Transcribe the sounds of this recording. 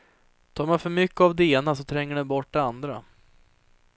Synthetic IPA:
t̪ʰɑːɾmɛjfœɾmʏkːəavd̪ɛeːnasɔt̪ʰɾɛŋːəɖɛnbɔʈ̚ːd̪ɛand̪ɾa̰

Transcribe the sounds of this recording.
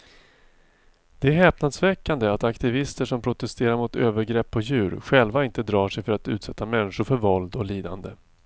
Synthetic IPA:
d̪̥ɛæɾɦɛːpnad̪svɛkːand̪əat̪akt̪ɪvɪst̪əʂɔmpʰɾʊt̪ɛst̪eːɾaɾmʊt̪øːvəɾɡɾɛpːɔjʉ̟ːɾɧɛlvaɪnt̪əd̪ɾɑːʂɛjfœɾat̪ʉ̟ːt̪sɛt̪ʰːamɛnːɪɧʊɾfœɾvɔld̪ɔliːd̪a̰nd̪ə

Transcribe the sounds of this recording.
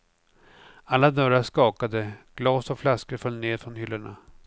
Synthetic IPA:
alːad̪œɾaʂkɑːkad̪əɡ̥lɑːsɔflaskəɾfœlːneːɾfɾɔnhʏlːəɳa

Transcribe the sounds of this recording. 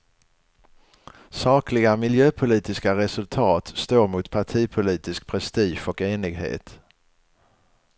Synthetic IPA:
sɑːklɪɡamɪljøːpʰʊliːt̪ɪskaɾɛsɵlt̪ʰɑːt̪st̪oːɾmʊt̪pʰaʈʰiːpʰʊliːt̪ɪsk̚pʰɾɛst̪iːʃɔkeːnɪɡɦḛːt̪

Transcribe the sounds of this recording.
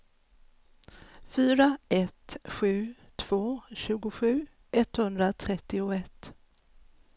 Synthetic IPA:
fyːɾaɛt̪ɧʉ̟ːt̪ʰv̥oːɕʉ̟ːɡʊɧʉ̟ː | ʔɛt̪hɵnd̪ɾat̪ʰɾɛt̪ːɪʊɛt̪

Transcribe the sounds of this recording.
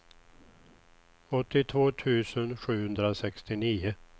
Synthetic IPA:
ɔt̪ːɪt̪ʰvoːt̪ʰʉ̟ːsənɧʉ̟ːhɵnd̪ɾasɛkst̪ɪniːʊ

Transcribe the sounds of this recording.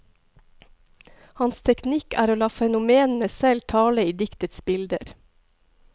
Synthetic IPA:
hɑnst̪ʰɛknɪkæ̰ːɾoːlɑːfɛnʊmeːnn̩əsɛlt̪ʰɑːləiːd̪ɪkt̪ət̪sbɪld̪ə̰ɾ

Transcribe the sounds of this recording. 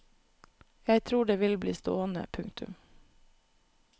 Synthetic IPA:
jæɪt̪ʰɾuːɖeːʋɪlblḭːst̪oːənə̰pʰʉŋt̪ʰʉ̰m

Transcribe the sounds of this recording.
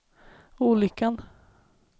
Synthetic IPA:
uːlʏkːan

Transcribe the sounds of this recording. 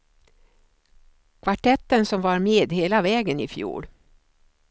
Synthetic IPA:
kʰvaʈʰɛt̪ːənsɔmvaɾmeːd̪heːlavɛːɡənɪ̰fjṵːɭ

